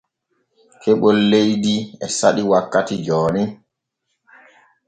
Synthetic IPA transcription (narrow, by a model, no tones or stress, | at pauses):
kʰɛɓɔlːejdiɛsaɗiwakːatid͡ʒɔːni